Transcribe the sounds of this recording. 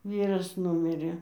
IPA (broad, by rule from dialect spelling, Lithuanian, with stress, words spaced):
ˈʋʲiːrɐs ˈnʊmʲɪrʲeː